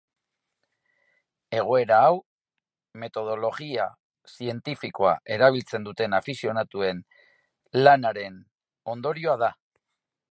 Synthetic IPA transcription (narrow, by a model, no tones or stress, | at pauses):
e̞ɣ̞o̞e̞ɾaːw | me̞t̪o̞ð̞o̞lo̞ɣia | sie̞nt̪ifiko̞a̰ʔe̞ɾaβ̞ilt͡se̞nd̪ut̪e̞nafisio̞nat̪ue̞n | lanaɾe̞n | o̞nd̪o̞ɾio̞aða